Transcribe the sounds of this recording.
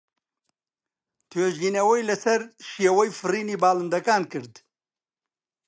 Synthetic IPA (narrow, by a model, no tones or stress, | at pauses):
t̪ʰeʒinɐwɐjlɐsɐɾʃijawɐjfɾiːnibaːlənd̪ɐkaːnkɨɾd̪